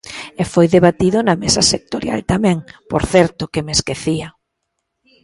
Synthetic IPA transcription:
efojðeβat̪iðʊnɐmesɐsek̚t̪oɾja̰lt̪amɛ̃ŋpo̰ɾθɛɾt̪ʊkemeskeθiɐ

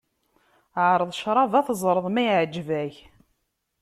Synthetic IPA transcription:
ʕɾˤəðˤʃɾˤɑvæθəzˤɾˤəðˤmæjʕəd͡ʒːvæç

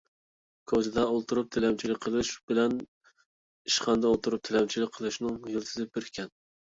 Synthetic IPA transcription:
kʰozɨd̪ɑolˠt̪ʰuɾup̚t̪ʰelɛmt͡ʃʰilɪk̚ʲqʰəlˠɨʃb̥ɪlɛn | iʃqɑnd̪ɑolˠt̪uɾup̚t̪ʰelɛmt͡ʃʰilɪk̚ʲqʰːəlˠɨʃnɪŋjɨlt̪ʰɨzɨbɪɾkʲʰɛn

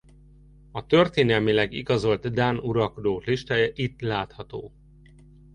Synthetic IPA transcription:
ɒt̪ørt̪eːnɛlmilɛɡḭɡɒzo̞lt̪d̪aːnuɾɒlko̞d̪oːkliʃt̪aːjɛʔit̪laːt̪hɒt̪o̰ː

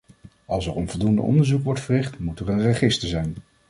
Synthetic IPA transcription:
ɑlˠsɛɹɔnvɔlˠdundə̰ʔɔ̰ndəɹzukʋɔɹtfərɪχtmutərənrəχɪstəɹzɛjn

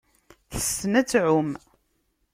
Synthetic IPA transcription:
θə̥sːənæt͡sːʕʊm

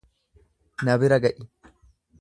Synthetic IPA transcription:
nɐbɪɾɐɡɐʔɪ

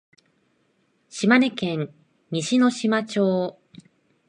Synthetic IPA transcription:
ɕimanekẽ̞ɲ̟ | ɲiɕino̞ɕimat͡ɕoː

